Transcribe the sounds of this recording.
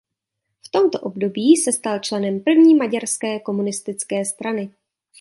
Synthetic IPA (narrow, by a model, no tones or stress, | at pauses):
ft̪o̞mt̪o̞ʔo̞bdo̞biːsɛst̪alt͡ʃlɛnɛmpr̩vɲiːmaɟaɾskɛːko̞munɪst̪ɪt͡skɛːst̪ɾanɪ